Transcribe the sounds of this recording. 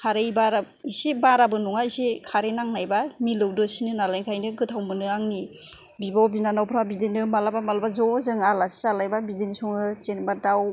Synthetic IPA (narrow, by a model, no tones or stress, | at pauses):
kʰaɾejbaɾa | isebaɾabɯnuŋaisekʰaɾenaŋnajbamilɯwdɔsinɯnalajnkʰajnɯɡɯtʰawmɯnɯaŋnibibɔbinanawpʰɾabidenɯmalabamalabazɔzɯŋalasalajbabidenisɔŋɯt͡ʃenbadaw